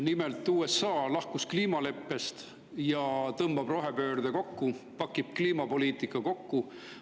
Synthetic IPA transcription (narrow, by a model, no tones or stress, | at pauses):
nimelt̪ːˑuːesɑːlɑhkuskliːmɑle̞pːe̞st̪ | jɑt̪ɤmb̥ɑb̥ro̞ɦe̞pø̞ːɾd̪eko̞kːupɑkːˑib̥kliːmɑpo̞liːt̪ˑikːˑɑko̞kːu